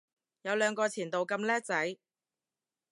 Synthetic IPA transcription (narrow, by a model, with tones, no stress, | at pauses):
jɐ˨˧wlœː˨˧ŋkɔː˧t͡sʰiː˨˩nt̪o˨wkɐ˧mlɛː˥k̚t͡sɐ˨˥j